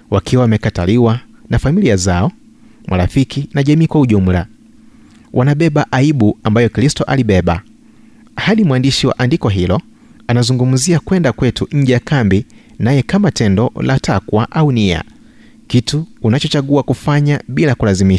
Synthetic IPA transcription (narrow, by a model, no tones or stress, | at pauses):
wakiwawamɛkataliwa | nafamiliazaɔ | mʔaɾafikinaʄamiːkwauʄum̩la̰ | wʔanaɓɛɓaʔaiɓuambajɔkɾistɔʔaliɓɛɓa̰ | haɗimwandiʃiwa̰ʔandikɔɦilɔ | anazuŋɡum̩ziakwɛndakwɛtuɲ̩d͡ʒɛjakambi | najɛkamatɛndɔ̰latʰakwaʔaunia̰ | kituːnat͡ʃɔt͡ʃaɠuakufaɲaɓilakulazimiʃ